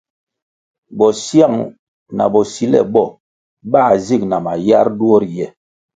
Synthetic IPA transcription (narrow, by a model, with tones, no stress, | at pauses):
bɔ˨sja˦˨ŋ | na̰˨bɔ˨si˨˦lɛ̰˦˨bɔ˦˨ | baː˦˨zi˦˨k̚na˨ma˨ja˦ɾdu˦ɔ˦ɾjɛ˨